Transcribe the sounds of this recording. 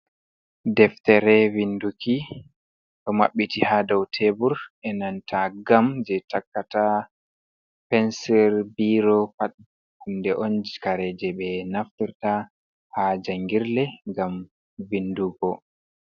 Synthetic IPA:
dɛftɛɾɛvinduki | ɗɔma̰ɓːitihadɔwtʰebuɾʔɛnantʰaɡamd͡ʒɛtakːata | pɛnsɛɾbiɾɔpaɗ | hundɛʔond͡ʒikaɾɛd͡ʒɛɓɛnaftiɾta | had͡ʒaŋɡiɾlɛŋɡam | vinduɡɔ

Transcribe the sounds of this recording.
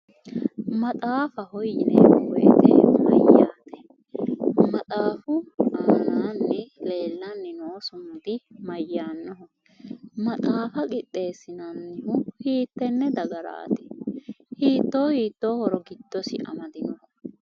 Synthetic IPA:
mɐt̪ʼaːfɐhɔjːɪnɛ̰wɔjɛ̰t̪ɛ̰mɐ̰jːaːt̪ɛ̥ | mɐt̪ʼaːfʊaːnaːnːɛle̞ːlːɐnːɪnoːsʊmd̪ɪmɐjːaːnːɔɦɔ | mɐt̪ʼaːfɐkʼɪt̪ʼːe̞ːsːɪnɐnːɪhʊhiːt̪ːɛnːɛd̪ɐɡɐɾa̰ːt̪ɛ̥ | hiːt̪ːo̞ːhiːt̪ːo̞ːhɔɾɔɡɪd̪̥ːɔsɪ̰ʔɐ̰mɐd̪ɪnɔh

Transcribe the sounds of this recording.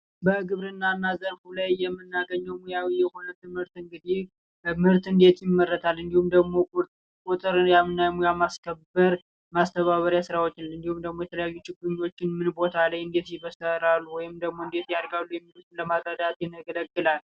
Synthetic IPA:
bəɡɨβɾɨnːanːazəɾfulajːɛmːɨnːaɡəɲːəwmujawijɛhonət̪ɨmhɨɾt̪ɨŋɡɨd̪e | mɨɾt̪ɨnd̪e̞t̪jɪmːərːət̪ʰalːɨnd̪ihumd̪əɡmo̞kʼutʼ | kʼut̪ʼɨɾjamɨnːajmujamaskʰəbːəɾ | mast̪ʰəβaβəɾjasɨɾawo̞t͡ʃːɪnɨnd̪ihumd̪əɡmo̞jɛt̪ʰələjajːut͡ʃːɪɡuɲːo̞t͡ʃːɪnmɨnbo̞t̪ʰalajɨnd̪e̞t̪jɪβəsəɾalːuwɔjɪmd̪əɡmo̞ɨnd̪e̞t̪jaɾɡalːujɛmːilut̪ʰɨnləmaɡəd̪at̪jɛnəɡələɡːɨlal

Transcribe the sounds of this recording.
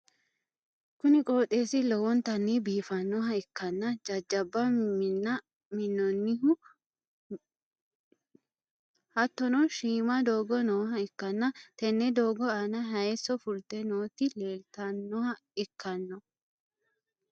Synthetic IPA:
kʊnɪkʼo̞ːt̪ʼe̞ːsɪlɔwɔnt̪ɐnːibiːfɐnːɔɦɐɪkːɐnːɐd͡ʒɐd͡ʒːɐbːɐnɐ | mɪnːɔnːɪʊ | hɐt̪ːɔnɔʃiːmɐd̪o̞ːɡɔnoːɦɐɪkːɐnːɐt̪ɛnːɛd̪o̞ːɡɔanɐɦɐjɛsːɔfʊlt̪ːɛnoːt̪ːɪleːlt̪ɐnːɔhɐ | ɪkʰːɐnːɔ

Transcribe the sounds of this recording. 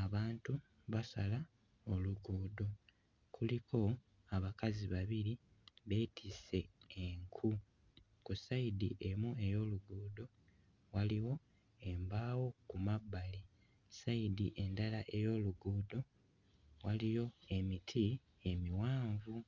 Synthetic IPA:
aβaːntu | βasala | oluɡuːdo̞ | kʰulikʰo̞ | aβakaziβaβiɾi | βe̞ːtʰise̞ːŋkʰu | kusaidiʔe̞mue̞jo̞ːluɡuːdo̞ | waliwo̞ | e̞mbaːwo̞kumabːali | saidiʔe̞ndalaʔe̞jo̞ːluɡuːdo̞ | walijo̞e̞mitʰi | e̞miwaːɱvu

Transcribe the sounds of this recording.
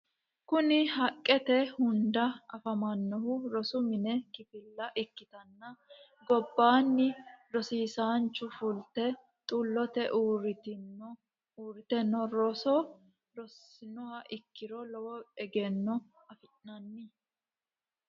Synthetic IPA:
kʊnɪhɐkʼːɛt̪ɛhʊnd̪ɐɐfɐmɐnːɔhʊɾɔsʊmɪnɛkɪfɪlːɐʔɪkːɪt̪ɐnːɐ | ɡɔbːaːnːɪɾɔsiːsaːnt͡ʃːʊfʊlt̪ɛ | t̪ʼʊlːɔt̪ɛʔuːɾt̪ | uːɾɪt̪ɛnːɔɾɔsɔ | ɾɔsɪnɔhɐʔɪkːɪɾɔlɔwɔɛɡɛnːɔ | ɐfɪʔnɐnːɪ

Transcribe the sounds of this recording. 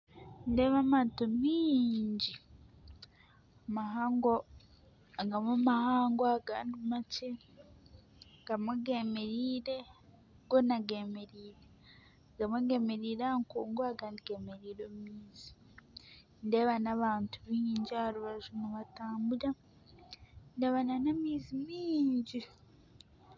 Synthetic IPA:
nde̞ːβamaːntumiɲɟi | amaɦaːŋɡo | aŋɡamumahaːŋɡoaɡandimace | ŋɡamuɡe̞me̞ɾiːɾe̞ | ɡonaɡe̞me̞ɾiːɾe | ɡamuɡemeɾiːɾaŋkoːŋɡoaɡandiɡemeɾiːɾomiːzi̥ | ndeβanaβaːntuβiɲiɲɟaɾuβaʒumuβataːmbuɾa | ndeβananamiːzimiːɲɟi

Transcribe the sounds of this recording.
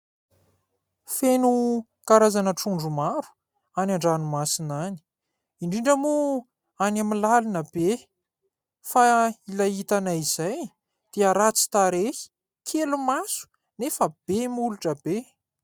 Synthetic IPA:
fenu | kaɾazanəʈ͡ʂuɳɖ͡ʐumaɾu̥ | anaɳɖ͡ʐanumasinani̥ | iɳɖ͡ʐiɳɖ͡ʐəmu | anamilalinəb̥e | failaɦit̪anaiz̥aj | d̪̥eəɾat͡si̥t̪aɾei̥ | kʰelumasu̥ | nefəb̥emuluʈ͡ʂəbe

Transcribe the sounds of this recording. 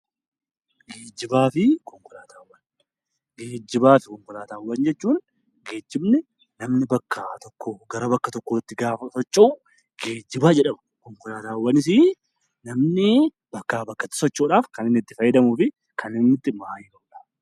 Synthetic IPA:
ɡeːd͡ʒːɪbaːfɪkɔŋkʊlaːt̪aːwːɐn | ɡeːd͡ʒːɪbaːfɪ̥kɔŋkʊlaːt̪aːwːɐnd͡ʒɛt͡ʃːuːn | ɡeːd͡ʒːɪbnɪ | nɐmnɪbɐkːat̪ɔkːoːɡɐɾɐbɐkːɐt̪ɔkːoːt̪ːɪɡaːfɐsɔt͡ʃʼːɐʊ | ɡ̥eːd͡ʒːɪbaːd͡ʒɛᶑɐmɐ̥ | kɔŋkʊlaːt̪aːwːɐnɪs̬iː | nɐmnɪ | bɐkːaːbɐkːɐt̪ːɪ̥sɔt͡ʃʼːoːᶑaːfkɐnɪnːɪt̪ːɪfɐjːɪd̪ɐmuːfɪ | kʰɐnɪnːɪt̪ːɪmaːjɪkɐʔuːᶑḁː

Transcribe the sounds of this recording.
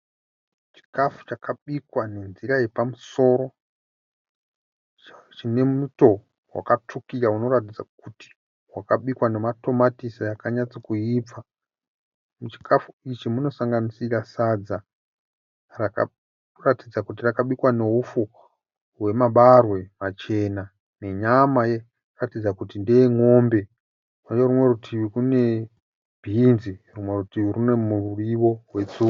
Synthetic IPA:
t͡ʃi̥kafu̥t͡ʃakʰaɓikwane̞nziɾajepamuso̞ːɾo̞ | t͡ʃine̞muto̞ | wa̰katʰukiɾauno̞ɾatid͡za̰kuti̥ | wakaɓikwane̞mato̞matisajakaɲat͡sokuiːp͡fa | mut͡ʃi̥kʰafuit͡ʃimuno̞saŋɡanisirasad͡za | raka̰ | ratid͡zakut̬irakaɓikwane̞ɦufu | we̞maɓarwe̞mat͡ʃe̞ːna | ne̞ɲamaje | ratid͡zakutindeeŋo̞mbe̞ | mud͡ʒerumwe̞rutʰiʋikune̞ | b̥ʱinzirumwe̞rutiʋirune̞mururiʋo̞we̞t͡suk

